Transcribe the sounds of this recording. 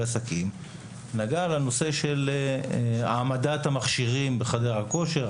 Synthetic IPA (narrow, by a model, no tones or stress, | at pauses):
asakim | naɡalano̞se̞ʃe̞l | a̰ːmad̪at̪hamaχʃiʁimbeχad̪eʁhako̞ʃe̞ʁ